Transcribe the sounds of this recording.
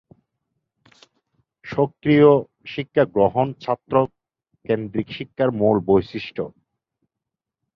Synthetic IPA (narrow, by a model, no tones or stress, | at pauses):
ʃokɾio | ʃikʰːaɡɾoɦont͡ɕʰat̪ːɾo | kend̪ɾikʃikʰːaɾmolbojʃiʃʈʰo